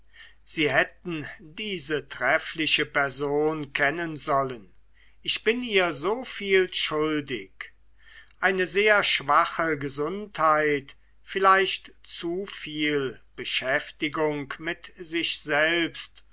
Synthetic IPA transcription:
z̥iːɦɛtn̩diːzətʁ̥ɛflɪʃəpɛɐzoːnkʰɛnənzɔlən | ʔɪçb̥ɪnʔiːɐzoːfiːlʃʊldɪk | ʔaɪnəzeːɐʃv̥aχəɡəzʊnthaɪt | fɪlaɪʃtt͡sufiːlb̥əʃɛftɪɡʊŋkmɪtz̥ɪçz̥ɛlpst

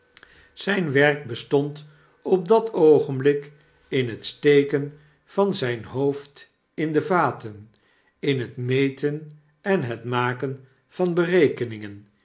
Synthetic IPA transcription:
z̥ɛjnʋɛrk̚bəstɔnt | ɔp̚dɑtʰowχənblɪk | ɪnɦətstejkən | v̥ɑnzɛjnɦowft | ɪndəvaːtən | ɪnɦətmejtən | ɛnɦətmaːkən | v̥ɑnbərejkənɪŋən

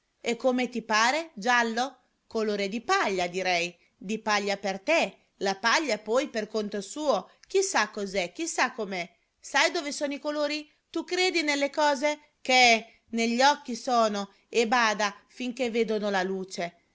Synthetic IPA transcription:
ekːomet̪ipaːɾed͡ʒalːo | koloːɾed̪ipaʎːad̪iɾɛj | d̪ipaʎːapert̪e | lapaʎːapɔjperkont̪osuːok̟isakːozɛk̟ːisakːomɛ | sajd̪oːvesoːnoikoloːɾi | t̪ukːɾeːd̪inelːekɔːze | keɛ | neʎːɔkːisoːno | ebaːd̪afiŋkevːeːd̪onolaluːt͡ʃe

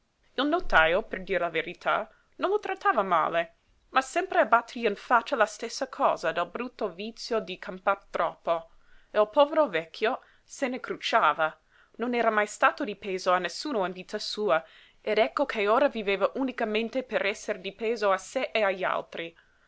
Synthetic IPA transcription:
ilnot̪ajoperd̪iːɾelaveɾit̪ʰa̰ | nonlot̪ɾat̪ːaːvama̰ːle | masɛmpɾeabat̪ːeɾiinfat͡ʃːalast̪esːakʰɔ̰ːzad̪albɾut̪ːovit̪sjod̪ikʰampart̪ɾɔpːo | eilpɔːveɾovɛkʰːjo | senekɾut͡ʃaːva | nonɛːɾamajst̪aːt̪od̪ipeːzoanːesːuːnoinvit̪ʰasuːa | ed̪ɛkːokʰeoːɾaviveːvaʔunikament̪epeɾʔɛsːeɾd̪ipeːzoaseʔeaʎːa̰lt̪ɾi

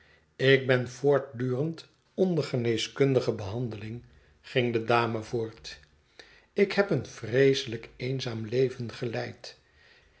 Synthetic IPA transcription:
ɪk̚bɛnvoːɹt̚dyːrənt | ɔndəχənejskɵndəχəbəɦɑndəlɪŋ | χɪŋdədaːməvoːɹt | ɪkhɛpənfrejsələkejnzaːmlejvənχəlɛjt

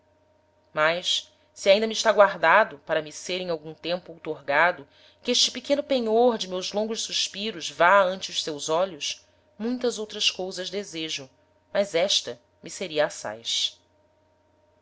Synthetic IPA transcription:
majs | siaĩnd̪ɐmiʃt̪aɡwaɾd̪ad̪ʊpaɾɐmɪseɾẽŋ̃awɡũt̪ẽmpʊowt̪oɾɡad̪ʊ | kɪeʃt͡ʃɪpikẽnʊpeɲoɾd͡ʒɪmewzlõŋɡʊʃsuʃpiɾʊzvaɐ̃nt͡ʃɪʊʃsewzɔʎʊs | mũj̃t̪ɐzowt̪ɾɐskowzɐzd̪ezeʒʊ | mɐzɛʃt̪ɐ | miseɾiɐasa̰jʃ

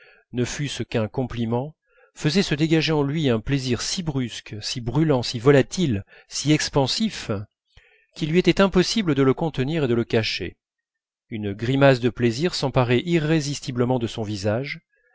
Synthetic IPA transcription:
nəfyskɛ̃kɔ̃plimɑ̃ | fəzɛsəd̪eɡaʒeɑ̃lɥiɛ̃pleziʁsibʁysksibʁylɑ̃sivɔlat̪il | siɛkspɑ̃sif | kʲilɥiet̪ɛt̪ɛ̃pɔsibləd̪ələkɔ̃t̪əniʁed̪ələkaʃḛ | ynɡʁimas̬d̪əpleziʁsɑ̃paʁɛʔiʁːezist̪ibləmɑ̃d̪əsɔ̃vizaʒ

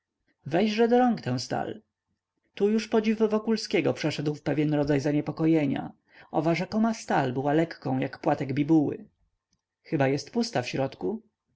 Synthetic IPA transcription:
vɛjʐɛd̪ɔɾɔŋkt̪ɛ̃w̃st̪a̰l | t̪ujuʂpɔd͡ʑivːɔkulskʲɛɡɔpʂɛʂɛd̪wfpɛvʲjɛnɾɔd̪zajzaɲɛpɔkɔjɛɲa̰ | ʔɔvaʐɛkɔmast̪albɘwalɛkːɔ̃w̃jakpwat̪ɛɡbʲibuwɘ̰ | xɘbajɛst̪pust̪afɕɾɔt̪ku

